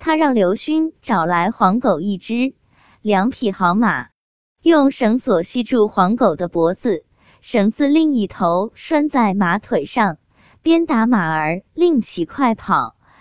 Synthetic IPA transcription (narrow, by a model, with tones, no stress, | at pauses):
t̪ʰa˥ɻɑ˥˩ŋljo˧˥ʊɕy˥nʈ͡ʂɑ˨˩ʊla˧˥ɪxwɑ˧˥ŋko˨˩ʊi˥˩ʈ͡ʂɻ̩˥ | ljɑ˧˥ŋpʰi˨˩xɑ˧˥ʊma̰˨˩˦ | jʊ˥˩ŋʂɤ˧˥ŋswɔ˨˩ɕi˥˧ʈ͡ʂu˥˩xwɑ˧˥ŋko˨˩ʊd̪ə˦pwɔ˧˥t͡sɹ̩˧ | ʂɤ˧˩ŋt͡sɹ̩˥˧li˥˧ŋi˥˩t̪ʰo˧˥ʊʂwa˥˧nt͡sa˥˩ɪma˧˥t̪ʰwe˨˩ɪʂɑ˥˩˧ŋ | pjɛ˥nt̪a˧˥ma˨˩ə˞˧˥li˥˩˧ŋt͡ɕʰi˧˥kʰwa˥˩ɪpʰɑ˨˩˦ʊ